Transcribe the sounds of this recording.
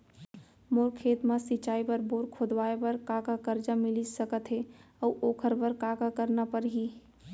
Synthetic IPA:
moːɾkʰeːt̪mãsɪt͡ʃaːipəɾboːɾkʰod̪waːebəɾkaːkakəɾd͡ʒamɪlid͡ʒsəkət̪ɦe | əuʔoːkʰəɾbəɾkaːkakəɾnapəɾɦi

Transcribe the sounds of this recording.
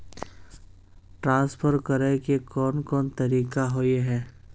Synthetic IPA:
ʈɾãːspʰəɾkəɾekekɔːnkɔːnt̪ɐɾiːkaɦojeɦɛː

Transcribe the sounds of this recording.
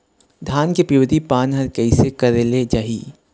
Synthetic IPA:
d̪ʱaːnkepɾiʋəd̪ʱipaːnɦɐɾkɛɪsekɐɾeled͡ʒaːɦiː

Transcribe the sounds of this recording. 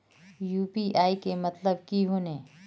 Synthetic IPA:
juːpiʔaːikemɐt̪ləbkiɦoːneː

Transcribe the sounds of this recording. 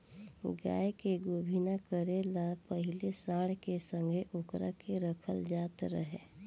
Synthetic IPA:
ɡa̰ːjkeɡoːbʱinakəɾelapəɦɪlesaːɽkesə̃ŋɡʱeʔʊkɾakeɾəkʰəld͡ʒaːt̪ɾə̰ɦḛː

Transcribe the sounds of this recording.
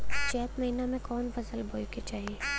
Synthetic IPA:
t͡ʃɛːt̪mɐɦiːnamẽkɔːnfɐsəlbʱoːiket͡ʃaːɦieː

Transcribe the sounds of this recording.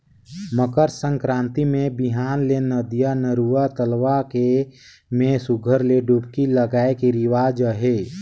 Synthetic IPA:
məkəɾsə̃ŋkɾãːnt̪imẽbɪɦaːnlenəd̪ijanəɾuat̪əlʋake | mẽsʊɡʱəɾleɖupkiləɡaːekeɾɪʋaːd͡ʒəɦeː

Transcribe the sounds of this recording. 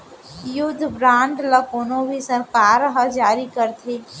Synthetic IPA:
jʊd̪ʱːbɾãːɳɖləkonõbʱisɐɾkaːɾɦəd͡ʒaːɾikəɾt̪ʰeː

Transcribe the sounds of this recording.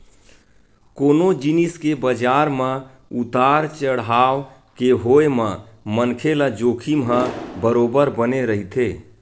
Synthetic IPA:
koːnod͡ʒiniskebəd͡ʒaɾmə | ut̪aɾt͡ʃəɽɦa | keɦoemə̃ | mənkʰelad͡ʒoːkʰimɦə̃bəɾobəɾbəneɾəɦit̪ʰe

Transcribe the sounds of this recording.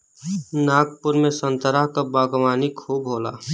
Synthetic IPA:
naːkpʊɾmẽsənt̪əɾaɦkabaːɡʋaːnikʰuːbɦoːla̰ː

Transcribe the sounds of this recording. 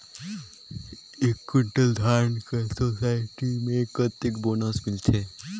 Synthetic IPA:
ɪkːɪɳʈəld̪ʱaːɾnkesosaːɪʈimẽkət̪ɪkboːnəsmɪlt̪ʰeː

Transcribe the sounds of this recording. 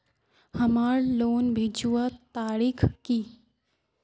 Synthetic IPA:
hɐmaːɾloːnbʱiːd͡ʒuwat̪aːɾikʰki

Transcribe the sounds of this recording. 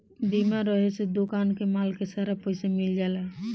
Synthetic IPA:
b̪imaɾəɦesed̪okankemalkesaɾapəɪsemild͡ʒala

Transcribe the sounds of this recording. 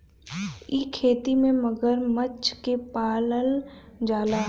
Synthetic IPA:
iːkʰeːt̪imẽməɡəɾmət͡ʃkepaːləld͡ʒaːlaː

